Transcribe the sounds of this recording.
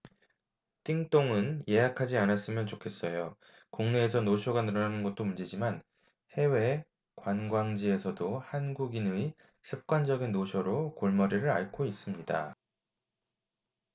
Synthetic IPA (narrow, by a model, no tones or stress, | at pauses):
t͈iŋt͈oŋɯnje̞ɦakʰad͡ʑianas͈ɯmjʌnt͡ɕokʰe̞s͈ʌjo | kuŋne̞ːsʰʌnoɕʰjoɡanɯɾʌnanɯnɡʌt̚t͈omund͡ʑid͡ʑiman | he̞we̞ | kwanɡwaŋd͡ʑie̞sʰʌdohanɡuɡinɯi | sʰɯp̚k͈wand͡ʑʌɡinːoɕʰjoɾokoɭmʌɾiɾɯɾa̰ɭkʰois͈ɯmɲida̰